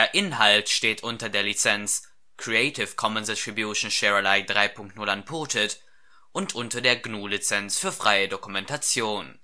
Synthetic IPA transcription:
deːɐʔɪnɦaltʃteːtʔʊntɐdeːɐlit͡sɛnt͡s | kʁ̥iɛɪtʰɪfkʰɔməndɪtʁ̥ibjuʃn̩ʃɛʁalaɪdʁaɪpʰʊŋk̚tnʊlanpʰʊːtʰət | ʔʊntʰʔʊntɐdeːɐɡnuːlit͡sɛnsfyːɐfʁ̥aɪədokumɛntat͡sjoːn

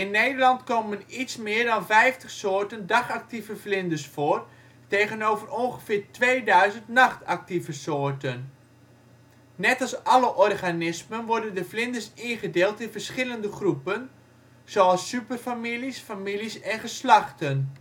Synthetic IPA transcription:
ɪnːeːdərlɑntkomənitsmɪːərdɔnfɛjftəxsoːtəndaχak̚tivəflɪndəsfoːr | teːɣənoːvəroŋɣəfɪːrtʋeːdœɥzəntnaxta̰k̚tivəsoːrtən | ɛtɑlˠsʔɑləʔɔrɣanɪsmənʋɔrdəndəflɪndəsinχədeːlˠtɪnfərsχɪləndəχrupən | z̥oɑlˠsːypərfamilisfamilisɛnχəslaxtən

